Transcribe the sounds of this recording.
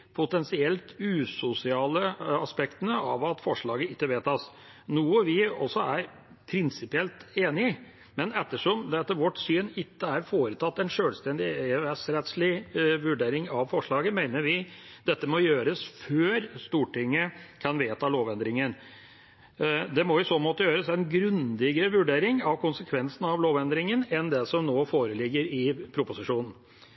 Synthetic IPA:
pʰʊt̪ɛnsɪɛlt̪ʉːsʊsɪɑːləɑspɛkt̪ənəɑʋɑt̪fɔʂɭɑːɡəɪkːəʋeːt̪ʰɑs | nuːəʋɪɔ̰sːɔæɾ | pʰɾɪnsɪpɪɛlt̪eːnɪ | mɛnɛt̪ːəʂɔmd̪ɛt̪ːəʋɔʈsyːnɪkːəæɾfoːɾət̪ʰɑt̪ːɛnʂøːlst̪ɛnd̪ɪɛʋɛsɾɛt̪sɭɪʋʉɖeːɾɪŋɑʋfɔʂɭɑːɡəmeɪnəɾʋɪd̪ɛt̪ːəmɔjøːɾəsføːɾst̪uːʈɪŋːəkʰɑnʋeːt̪ɑloːʋɛnd̪ɾɪŋən | d̪ɛmɔʊsoːmoːt̪əjøːɾəsɛɪnɡɾʉnd̪ɪɡəɾəʋʉɖeːɾɪŋɑʋkʰʊnsəkʰʋɛnsn̩ɑʋloːʋɛnd̪ɾɪŋənɛnd̪ɛsɔmnoːfoːɾəlɪɡːəɾɪpʰɾʊpʊsɪʂuːnn̩

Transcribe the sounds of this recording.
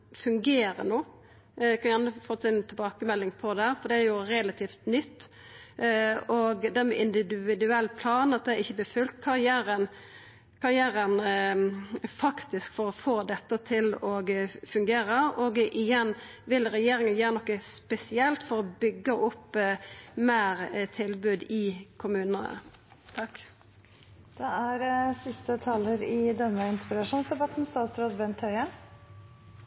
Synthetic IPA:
fʉŋɡeːɾə̰noː | kʰɑnjænəfɔsɪnt̪ʰɛlbɑːkəmɛlːɪŋpʰɔd̪ɛæːɾfɔɾd̪ɛæɾjʊɾɛlɑt̪ʰiːft̪nʏt̪ː | ɔɡd̪ɛæmɛʔɪnd̪ɪd̪ʉɪd̪ʉɛlːpʰlɑːnɑt̪̚d̪ɛæɾɪçːəblɪːfʉlt̪̚kʰɑɾɪjæːɾən | kʰɑɾjæːɾən | fɑkt̪ɪskfɔɾɔfoːd̪ɛt̪ːət̪ʰɪlɔɡfʉŋɡeːɾəʔoːɡʔɪjɛnː | ʋɪlɾɛjeːɾɪŋənjøːɾənɔkːəspɛsɪɛlt̪fɔɾɔbʏɡːəʔʊpː | mæːʁt̪ʰɪlbʉːd̪ɪkʰʊmʉːnənə̰ | t̪ʰɑk | d̪̥ɛæɾsɪst̪ət̪ʰɑləɾɪd̪ɛnːəɪnt̪əpɾlɑʂuːnsd̪ɛbɑt̪nst̪ɑːt̪sɾoːd̪bɛnt̪ʰhœʏə

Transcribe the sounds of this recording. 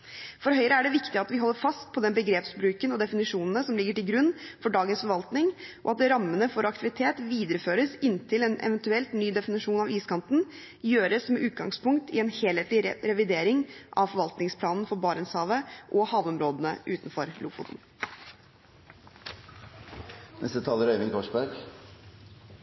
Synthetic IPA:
fɔɾɦœʏɾəæɖɛʋɪkt̪ɪɑt̪ʋɪɦɔlːəɾfɑst̪̚pʰɔd̪ɛnbəɡɾeːpsbɾʉːkənɔd̪ɛfɪnɪʂuːnənəsɔmlɪɡːəʈɪlɡɾʉnːfɔɖɑːɡənsfɔɾʋɑlt̪nɪŋʔɔ̰ɑt̪̚d̪ɾɑmːənəfɔɾɑk̚t̪ɪʋɪt̪ʰeːt̪ʋiːd̪əɾəføːɾəsɪnt̪ʰɪlɛnʔɛ̰ʋɛnt̪ʉɛlt̪nyːd̪ɛfɪnɪʂuːnɑʋiːskʰɑnt̪n̩ | jøːɾəsmɛʔʉːt̪̚ɡɑ̰ŋspʊŋkt̪ʰɪɛnheːleːt̪lɪɾɛʋɪd̪eːɾɪŋʔɑʋfɔɾʋɑlt̪nɪŋspʰlɑːnn̩fɔɾbɑːɾɛnsɑːʋəʔɔhɑːʋɔmɾoːd̪ənəʔʉːt̪nfɔɾluːfṵːt̪n̩ | nɛ̰st̪ət̪ʰɑːləɾœʏʋɪŋkʰɔʂbæɾɡ

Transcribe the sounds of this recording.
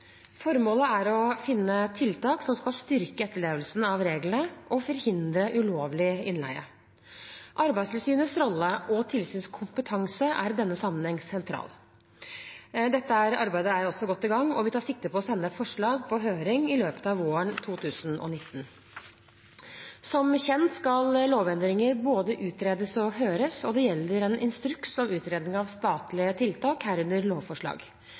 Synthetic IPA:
fɔɾmoːləæɾɔfɪnːət̪ʰɪlt̪ɑːksɔmskɑlst̪ʏɾkəɛt̪ːəɭeːʋəlsn̩ɑʋɾeːɡlənəʔɔfɔɾhɪnd̪ɾəʔʉloːʋlɪɪnlæ̰ɪə̰ | ʔɑɾbæɪst̪ʰɪlsyːnəsɾɔlːəʔɔt̪ʰɪlsyːnskʰʊmpət̪ʰɑŋsəʔæ̰ɾd̪ɛnːəsɑmːənhɛŋsɛnt̪ʰɾɑ̰ːl | d̪ɛt̪ːəæɾɑɾbæɪd̪əæɾɔsːɔɡɔt̪ːɪɡɑŋːɔʋɪt̪ɑːʂɪk̚t̪əpʰɔɔsɛnːəfɔʂɭɑːɡpʰɔɦøːɾɪŋɪløːpə̥t̪ɑːʋoːəɳt̪ʰuːt̪ʰʉːsn̩ʔɔ̰nɪt̪ːən | sɔmçɛnt̪skɑlloːʋɛnd̪ɾɪŋəɾboːd̪əʔʉːt̪ɾeːd̪əsɔɦøːɾəsɔd̪ɛjɛlːəɾɛnʔɪnst̪ɾʉksɔmʉːt̪ɾeːd̪nɪŋɑʋst̪ɑːt̪lɪət̪ʰɪlt̪ʰɑːkhæːɾʉnd̪əɾloːʋfɔʂɭɑ̰ːɡ

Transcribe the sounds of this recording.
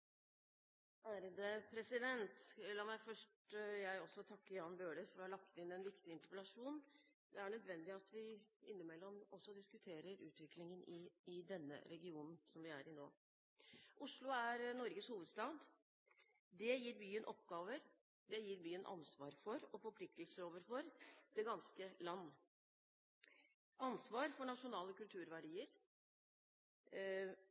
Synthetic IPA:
ʔæːɾəd̪əpʰɾɛsɪd̪ɛnt̪lɑːmæɪfœʂʈjæɪɔsːɔt̪ʰɑkːəɾjɑnːbøːɖəɾfɔɾɔhɑlɑk̚t̪ɪnɛnʋɪkt̪ɪɪnt̪əɾpəlɑʂuːn | d̪ɛæɳœd̪ʋɛnd̪ɪɑt̪ʰʋɪɪnːəmɛlːɔmɔsːɔd̪ɪskʉt̪ʰeːɾəɾʉ̰ːt̪ʋɪklɪŋənɪɪd̪ɛnːə̰ɾɛɡɪuːnn̩sɔmʋɪæ̰ɾɪnoː | ʔʊʂlʊæɾnɔɾɡəshuːʋəd̪st̪ɑːd̪ | d̪ɛjiːɾbyːənʔɔpɡɑːʋəɾ | d̪ɛjiːɾbyːənʔɑ̰nsʋɑːɾfɔɾɔfɔɾpʰlɪk̚t̪əlsəɾoːʋəɾfɔɾd̪̥ɛɡɑnskəlɑnː | ʔɑnsʋɑːɾfɔɳɑʂʊnɑːləkʉlt̪ʰʉːɾʋæɖiːəɾ

